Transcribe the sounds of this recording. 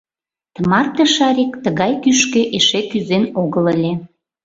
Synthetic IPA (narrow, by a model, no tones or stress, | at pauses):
t̪əmɑrt̪əʃɑɾʲikt̪əɣɑjkyʃkĕʔeʃekyzenoɣələlʲe